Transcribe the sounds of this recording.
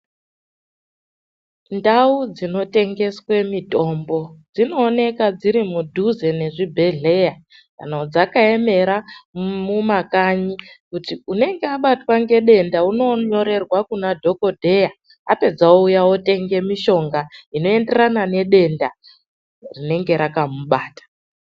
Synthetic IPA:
ndaud͡zino̞te̞ŋɡe̞swe̞mito̞mbo̞d͡zino̞ːne̞kad͡ziɾimudʱuze̞ne̞ʐibʱe̞ɮe̞ja | ka̰naod͡zakae̞me̞ɾamumakaɲikutiune̞ŋɡeaɓatwaŋɡe̞ɗe̞ndauno̞ɲo̞ɾe̞rwakunadʱo̞ko̞dʱe̞ja | ape̞d͡zaoujawote̞ŋɡe̞miʃo̞ŋɡaino̞e̞nde̞ranane̞ɗe̞nda | rine̞ŋɡe̞ɾakamuɓaːtḁ

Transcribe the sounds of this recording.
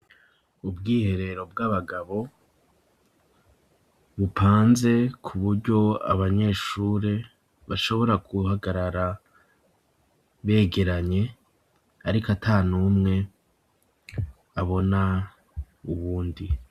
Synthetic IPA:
ubɡiːhe̞ɾe̞ɾo̞b̚ɡaβaɡaβo̞ | βupʰaːnze̞kʰuβuɾɟo̞a̰βaɲe̞ːʃuːɾe | βaʃo̞βo̞ɾaɡuhaɡaɾaɾa | βe̞ːɡe̞ɾaɲe̞ | aɾikatʰaːnumŋe̞ | aβo̞na | uβuːndi

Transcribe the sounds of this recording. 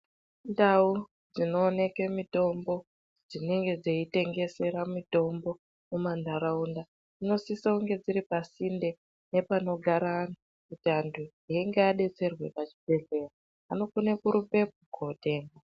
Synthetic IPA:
ndau | d͡zino̞ːne̞kemito̞mbo̞ | d͡zine̞ŋɡe̞d͡zeite̞ŋɡe̞se̞ɾamito̞mbo̞ | mumandaɾaunda | ino̞sisauŋɡe̞d͡ziɾipasinde̞ | ne̞pano̞ɡʱaɾanu | kutiantʰuɦieŋɡeaɗe̞t͡se̞rwe̞pat͡ʃi̥bʱe̞ɮe̞raː | no̞kune̞kuɾupe̞p̚uɡʱote̞ːŋɡa

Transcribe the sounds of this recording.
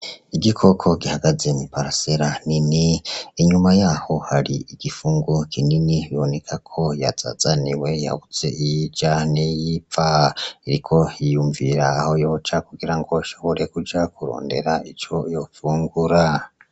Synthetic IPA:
iɡikʰo̞kʰo̞ɡihaɡaze̞nipaɾaseɾaniniiɲumajaho̞haɾiiɡ̥ifuːŋɡokʰininiβiβone̞kʰakʰo̞jaz̥a̰zaniwe̞ja̰βut͡se̞̰ʔijid͡ʒanijipfaiɾikʰo̞hijuːɱviɾaːho̞jo̞t͡ʃakuɡiɾaŋɡo̞ʃo̞βo̞ɾekud͡ʒakuɾo̰ːnde̞̰ɾait͡ʃo̞jo̞fuːŋɡuɾa

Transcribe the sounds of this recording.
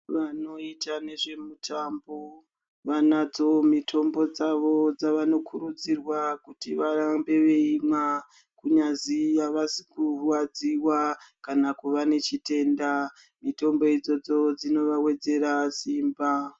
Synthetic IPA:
ʋano̞itane̞ʐe̞mutʰambo | ʋanad͡zo̞mitʰo̞mbo̞d͡zaʋo̞d͡zaʋano̞kʰuɾud͡zirwakutiʋaɾambe̞ʋe̞ima | kuɲazijaʋasi̥kuwad͡ziwakanakuʋane̞t͡ʃite̞ːnda | mito̞mbo̞id͡zo̞d͡zo̞d͡zino̞ʋawe̞d͡ze̞ɾasiːmba

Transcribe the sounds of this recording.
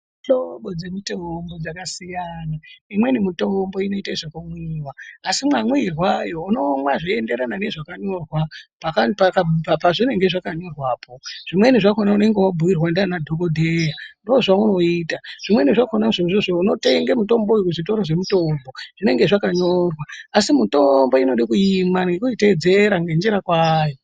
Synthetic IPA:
ɬoɓod͡zemitombo̞d͡zakasijanaimwe̞nimito̞mbo̞ino̞itaiʐakumwiwaːsimwamwirwajo̞uno̞mwaʐiende̞ɾanane̞ʐakaɲo̞rwapakapakapapaʐine̞ŋɡe̞ʐakaɲo̞rwaːpʰoʐ̥imwe̞niʐakonaune̞ŋɡe̞wabʱuʋirwandanadʱokodʱejandoːʐauno̞iːtaʐ̥imwe̞niʐakonaʐeʐoʐouno̞te̞ŋɡamuto̞mbo̞ukuʐito̞ɾoʐe̞muto̞mbo̞ʐ̥ineŋɡe̞ʐakaɲo̞rwaːsimuto̞mbo̞ino̞ɗikujimanɡekuited͡ze̞ɾaŋɡend͡ʒiɾakwaːjo

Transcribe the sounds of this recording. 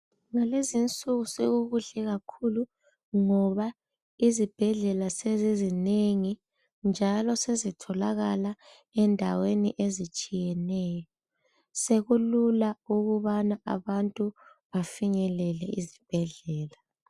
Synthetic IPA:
ŋalezint͡sʼuɣuseɣuɣuɮɛɣakʰulu | ŋɔβa | izib̥ʱɛɮɛlasezizineŋi | nd͡ʒʱalɔsezitʰɔlaɣala | ɛndʱaweniʔezit͡ʃʼijɛnɛːjɔ | seɣululauɣuβanaa̰βantʼu | βafiɲɛlɛlɛizib̥ʱɛɮɛːla

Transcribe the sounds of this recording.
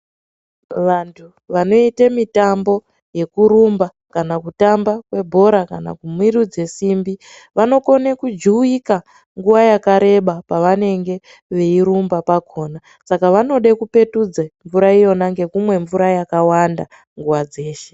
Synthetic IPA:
ʋantʰu | ʋano̞itemitambo̞ | je̞kuɾumba | kanakutambakwe̞bʱo̞ɾakana̰kumwirud͡ze̞simbi | ʋano̞ko̞nekud͡ʒiika | ŋɡuʋajakaɾe̞ɓapaʋane̞ŋɡe̞ | ʋe̞iɾumbapakʰo̞ːna | sakaʋano̞ɗekupe̞tud͡zeɱvuɾaijo̞naŋɡe̞kumwe̞ɱvuɾajakawanda | ŋɡuwad͡ze̞ːʃe̥

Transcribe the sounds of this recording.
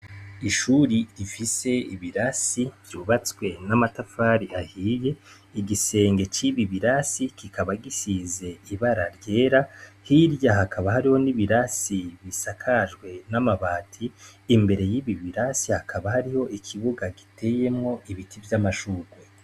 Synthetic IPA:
iʃuɾiɾifise̞iβiɾasiv̥juːβat͡swe̞namatafaɾiahiːje̞ | iɡise̞ːŋɡe̞t͡ʃiβiβiɾasikikʰaβaɡisize̞iβaɾaɾɟe̞ːɾahiɾjahakʰaβahaɾiho̞niβiɾasiβisakʰaʒɡwe̞namaβaːtʰiːmbe̞ɾe̞jiβiβiɾasihakʰaβahaɾiho̞ʔikʰiβuɡaɡitʰe̞je̞mŋo̞ʔiβitʰivjamaʃuːɡwe

